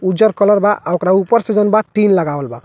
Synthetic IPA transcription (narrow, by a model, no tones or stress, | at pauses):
ud͡ʒɔɾkɔlɔɾbaʔaɔkɾaupɔɾsed͡ʒɔnbaʈinlaɡawɔlba̰